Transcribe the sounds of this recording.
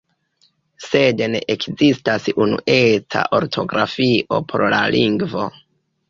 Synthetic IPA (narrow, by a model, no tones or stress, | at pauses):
se̞denḛʔekzistasunṵʔe̞t͡sa̰ʔo̞ɾtʰo̞ɡɾafiʔo̞pʰoɾlalʔiŋɡvo̞